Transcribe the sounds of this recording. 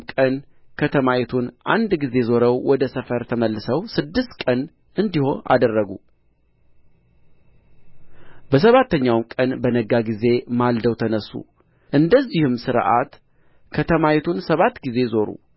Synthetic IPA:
kʼən | kʰət̪ʰəmajɛt̪ʰunʔa̰nd̪ɡize̞zo̞ɾəwwɔd̪əsəfəɾt̪ʰəməlːɨsəwsɨd̪ːɨst̪kʼən | ʔɨnd̪iho̞a̰d̪ərːəɡu | bəs̬əβat̪ʰːəɲːawmkʼənbənəɡaɡize̞mald̪əwt̪ʰənəsːṵ | ʔɨnd̪əzːihɨmsɨɾʔa̰t̪ | kʰət̪ʰəmajɛt̪ʰunsəβat̪ːɡize̞zo̞ɾṵ

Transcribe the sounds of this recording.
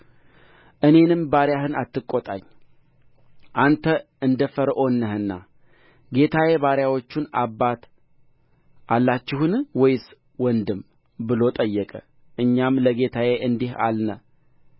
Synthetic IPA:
ʔɨne̞nɨmbaɾjaɦɨnat̪ːɨkʼːot̪ʼa̰ɲː | ʔant̪ʰə | ɨnd̪əfəɾʔo̞nːəhɨnːa̰ | ɡe̞t̪ʰawe̞βaɾjawo̞t͡ʃːunabːat̪ | ʔalːat͡ʃːɪhunwɔjs | wɔnd̪ɨm | bɨlo̞t̪ʼəjːɛkʼə | ʔɨɲːamləɡe̞t̪ʰawe̞ʔɨnd̪iha̰lnə

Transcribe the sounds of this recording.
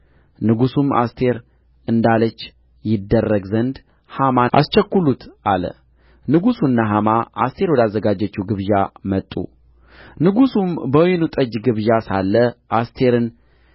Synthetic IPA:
nɨɡusuma̰st̪ʰe̞ɾ | ɨnd̪alət͡ʃː | jɪd̪ːərːəɡzənd̪ | hamaʔa̰st͡ʃɛkːulut̪ʔalə̰ | nɨɡusunːaɦamaʔa̰st̪ʰe̞ɾwɔd̪azːəɡad͡ʒːət͡ʃːuɡɨβʒamət̪ʼːṵ | nɨɡusumbəjnut̪ʼəd͡ʒɡɨβʒasalːəʔast̪ʰe̞ɾɨn

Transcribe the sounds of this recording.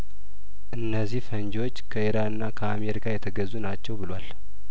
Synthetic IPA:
ʔɨnːəzːihfəɲd͡ʒo̞t͡ʃːkʰəiɾanɨnːakʰəame̞ɾikʰajɛt̪ʰəɡəzːunat͡ʃːɛwbɨlwal

